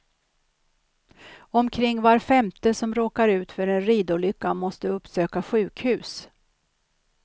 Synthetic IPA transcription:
ɔmkʰɾɪŋːvaɾfɛmt̪əsɔmɾoːkaɾʉ̟ːt̪fœɾɛnɾiːd̪ʊlʏkːamɔst̪əɵpːsøːkaɧʉ̟ːkhʉ̟ːs

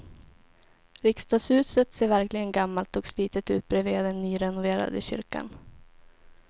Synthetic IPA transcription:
ɾɪkst̪ɑːɡshʉ̟ːsət̪seːɾvæɾklɪɡənɡamːalt̪ɔksliːt̪ət̪ʉːt̪̚bɾɛvead̪ɛnːyːɾɛnʊveːɾa̰d̪əɕʏ̰ɾka̰n

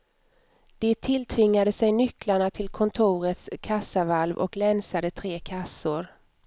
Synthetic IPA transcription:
d̪̥ɛt̪ʰɪlt̪ʰvɪŋːad̪əsɛjnʏkːlaɳat̪ʰɪlkʰɔnt̪ʰuːɾət̪skʰasavalvɔ̰klɛnsad̪ət̪ʰɾeːkʰasːʊɾ

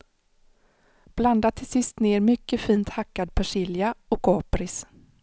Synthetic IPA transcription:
b̥land̪at̪ʰɪlsɪst̪neːɾmʏkːəfiːnt̪hakːad̪̚pʰæʂɪljaɔkɑːpɾɪs

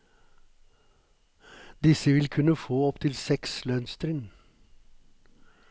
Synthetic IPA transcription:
d̪ɪsəʋɪlkʰʉnəfoːɔpt̪ʰɪlsɛkslœnst̪ɾɪn

